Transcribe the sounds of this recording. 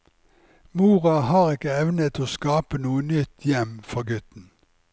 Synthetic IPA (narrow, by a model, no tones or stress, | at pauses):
muːʁɑhɑːʁɪkəɛʋnət̪ʰoːskɑːpənuːənʏt̪ʰjɛmfɔʁɡʉt̪n̩